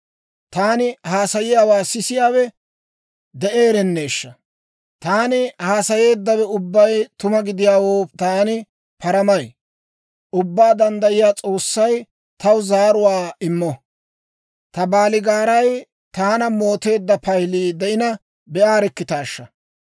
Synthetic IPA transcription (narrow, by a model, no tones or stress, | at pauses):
t̪aːnɪhaːsɐjɪjaːwaːsɪsɪjaːwɛ | d̪ɛʔe̞ːɾɛnːe̞ːʃːɐ | t̪aːnɪhaːsɐje̞ːd̪ːɐwɛʊbːɐjt̪ʊmɐɡɪd̪ɪjaːwoːt̪aːnɪ | pɐɾɐmɐj | ʔʊbːaːd̪ɐnd̪ɐjɪjaːt͡sʼo̞ːsːɐj | t̪ɐwzaːɾʊwaːɪmːɔ | t̪ɐbaːlɪɡaːɾɐj | t̪aːnɐmo̞ːt̪e̞ːd̪ːɐpɐjliːd̪ɛʔɪnɐ | bɛaːɾɛkːɪt̪aːʃːɐ